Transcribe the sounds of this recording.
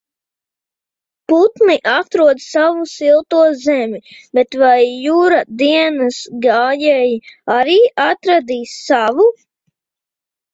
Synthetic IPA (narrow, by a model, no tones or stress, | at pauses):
put̪niʔat̪ɾuɔd̪ssavusilˠt̪uɔzɛmʲibet̪vajːuːɾad̪iɛnəsɡaːjɛjiaɾiːʔat̪ɾad̪iːsːavu